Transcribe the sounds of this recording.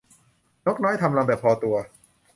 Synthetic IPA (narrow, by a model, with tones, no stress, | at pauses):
ɲo˦˥k̚nɔː˦˥jt̪ʰa˧mla˧mbɛ˨˩pʰɔː˧t̪u˧ɐ